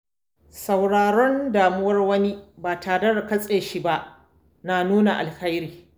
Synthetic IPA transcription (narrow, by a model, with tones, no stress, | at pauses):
sa˨wɽaː˨ɾɔ˦ndaː˨mʊ˦wɐ˦rwɐ˦ni˦baː˨tʰa˨dɐ˦ɽɐ˨kɐ˦sʼeː˨ʃi˦ba˦ʔ | naː˨nuː˦na˨ʔa̰˨lha˦jɾiː˨